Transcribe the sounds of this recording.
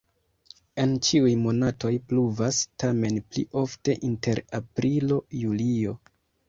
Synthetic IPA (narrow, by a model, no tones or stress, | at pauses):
e̞nt͡ʃiujmo̞nato̞jpluvastame̞nplḭʔo̞fte̞ʔinte̞ɾapɾilo̞julio̞